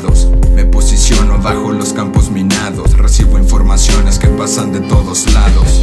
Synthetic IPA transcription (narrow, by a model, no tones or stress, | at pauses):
ðosme̞po̞sisjo̞noβaxo̞lo̞skampo̞zminaðo̞sresiβo̞iɱfo̞ɾmasjo̞ne̞skepasand̪e̞t̪o̞ðo̞zlaðo̞s